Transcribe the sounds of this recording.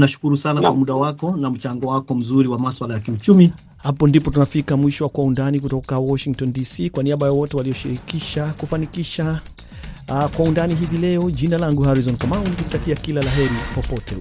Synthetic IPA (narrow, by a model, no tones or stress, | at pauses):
naʃu̥kuɾusanakwamuɗawakɔnam̩t͡ʃaŋɡɔwakɔm̩zuɾiwamaswalajakiut͡ʃumi | hapɔndipɔtunafikamwiʃɔwakwaundanikutɔkawɔʃiŋk̚tɔndisikwaniaɓajawɔtɛwalijɔʃiɾikiʃakufanikiʃa | kwaundaniɦivilɛɔʄinalaŋɡuhaɾizɔnkamaulikutakiakilalaɦɛɾipɔpɔtɛ